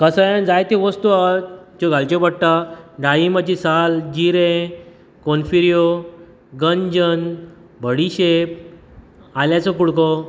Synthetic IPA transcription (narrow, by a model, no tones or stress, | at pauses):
kəsəand͡zajt̪eʋəst̪uat̪d͡ʑoɡalt͡ɕebəɽʈ̪aɖajimat͡ɕisald͡ʑiɾẽ | konfiɾjo | ɡəɲd͡ʑən | bʱəɽiɕep̚ | aljat͡sɔkuɽko